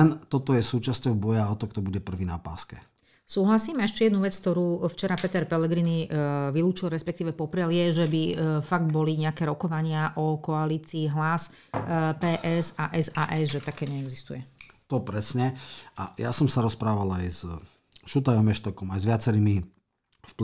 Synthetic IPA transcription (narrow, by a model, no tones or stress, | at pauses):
ɛnt̪ɔt̪ɔjɛsuːt͡ʃascɔʊbɔjɛaɔt̪ɔkt̪ɔbuɟɛpr̩ʋiːnapa̰ːskɛ | suːɦlasiːmɛʃcɛjɛd̪nuʋɛt͡sk̚t̪ɔɾuːft͡ʃɛɾapɛt̪ɛɾpɛlɛɡɾiniʋiluːt͡ʃilɾɛspɛkt̪iːʋɛpɔpɾɪaljɛʒɛbifaɡ̚d̪bɔliɲɛakɛːɾɔkɔʋaɲɪaʔɔkɔaliːt͡siːɦlas | pɛːʔɛsaʔɛzaːʔɛzʒɛt̪akɛːɲɛɛɡzist̪ujɛt̪ɔpɾɛsɲɛajasɔmsaɾɔspɾaːʋalajz | ʃut̪ajɔmɛʃt̪ɔkɔmajzʋɪat͡sɛɾiːmi | fp